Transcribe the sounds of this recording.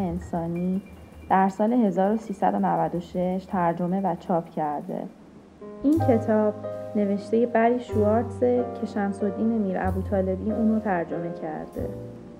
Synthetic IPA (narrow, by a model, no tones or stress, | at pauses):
ensɒːniː | d̪̥æɾsɒːle̞ɦe̞zɒːɾosiːsæ̰d̪o̞nævæd̪o̞ʃe̞ʃt̪ʰæɾd͡ʒo̞me̞væt͡ʃʰɒːpʰcʰæɾd̪ḛ | ʔincʰe̞t̪ʰɒːb̥ne̞ve̞ʃt̪e̞je̞bæɾiʃuɒːɾt̪secʰe̞ʃæmso̞d̪iːne̞miːɾæ̰buːt̪ʰɒːle̞biːʔuːnot̪ʰæɾd͡ʒo̞me̞cʰæ̰ɾd̪̥e̞̰